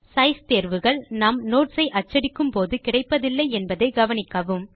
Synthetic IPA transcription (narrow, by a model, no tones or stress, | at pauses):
sɐɪst̪eːɾʋɯɣɐɭnaːmnoːʈsɐɪʔɐt͡ʃːɐɽɪkːɯmpoːðɯkɪɽɐɪpːɐðɪlːɐɪɛnbɐðɐɪɡɐʋɐnɪkːɐʋɯm